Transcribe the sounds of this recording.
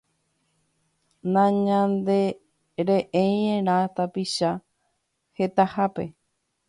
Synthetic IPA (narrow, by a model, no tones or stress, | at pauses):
nãɲãnd̪e | ɾeʔej̃ẽɾ̃ãt̪apiʃa | het̪ahape